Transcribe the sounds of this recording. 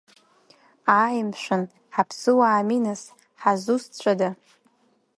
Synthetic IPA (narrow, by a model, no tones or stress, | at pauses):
ajmʃʷᶣɨn | ħapʰsɨwaːminas | ħazust͡ɕʷʰʼada